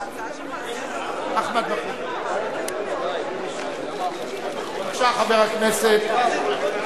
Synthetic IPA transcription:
aχmat̪̚baku | ʃaχabeʁhakneset̪

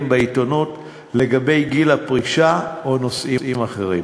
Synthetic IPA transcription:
mbeitonut | le̞ɡabe̞jɡilapʁiʃaono̞sʔiimaχeʁim

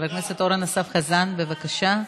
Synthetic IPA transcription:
lakneset̪o̞ɾanosafχazanbevakaʃa

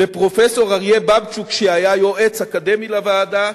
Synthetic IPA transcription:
epʁo̞feso̞ʁaʁjebabt͡sukʃeajajo̞ʔet͡sakad̪emilavaːd̪a

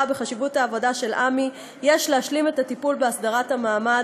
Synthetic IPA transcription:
abeχaʃivutaːvo̞daʃe̞lʔami | jeʃleaʃlime̞tatipulbeasdaʁathamaːma

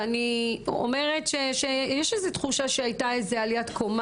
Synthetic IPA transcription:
anio̰me̞ʁetʃeʃejɛʃezetχuʃaʃeajtaezealijatkʰom

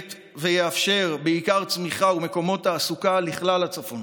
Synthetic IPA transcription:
t̪ | vejeafʃe̞ʁbeikaʁt͡smiχaume̞ko̞mo̞taːsukaliχlalat͡safo̞n

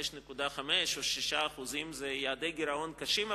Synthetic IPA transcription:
eʃnekud̪aχameʃoʃiʃaːχuzimzejaad̪ejɡiɾaonkaʃima

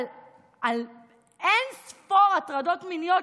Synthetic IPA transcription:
l | al | ensfoʁatʁadot̪minijo

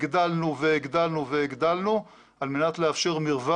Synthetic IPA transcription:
ɡd̪alnuveeɡd̪alnuveiɡd̪alnu | almenat̪leafʃeʁmiʁva

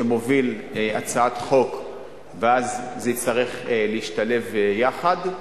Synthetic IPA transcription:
emo̞vilat͡saat̪χo̞k | veazːeit͡staʁiχleiʃt̪ale̞vjaχad̪

